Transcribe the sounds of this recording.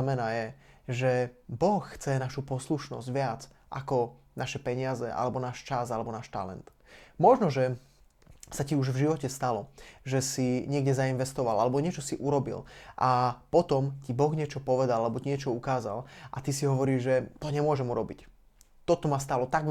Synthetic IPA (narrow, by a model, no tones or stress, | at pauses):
mɛnaːjɛʒɛbɔxːt͡sɛnaʃupɔsluʃnɔ̰zɟʋɪat͡s | ʔakɔnaʃɛpɛɲɪazɛ̰ʔa̰lɛbɔnaːʃt͡ʃazalɛbɔnaːʃt̪a̰lɛ̰nt̪ | mɔʒnɔʒɛ | saciuʒvʒiʋɔcɛst̪alɔʒɛsiɲɪɛɡɟɛzainʋɛst̪ɔʋalalɛbɔɲɪɛt͡ʃɔsiʔuɾɔbḭlʔapɔt̪ɔmcibɔɣɲɪɛt͡ʃɔpɔʋɛd̪alalɛbɔciɲɛt͡ʃɔukaːza̰lʔat̪isiɦɔʋɔɾiːʒʒɛt̪ɔɲɛmʊɔʒɛmuɾɔbic | t̪ɔt̪ɔmast̪alɔt̪aɡ